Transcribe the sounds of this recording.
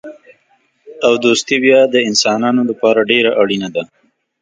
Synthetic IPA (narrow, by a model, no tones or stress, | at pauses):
awd̪ost̪ibjɑd̪əɪnsɑːnɑnolapɑɾaɖeɾaʔaɽinad̪a